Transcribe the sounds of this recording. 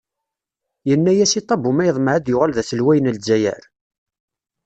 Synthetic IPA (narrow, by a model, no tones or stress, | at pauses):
jənːæjæsit̪ˤːɑbumæjəðˤməʕæd̪jʊʁalðæθəlwæjənəlzːæjæ̰ɾ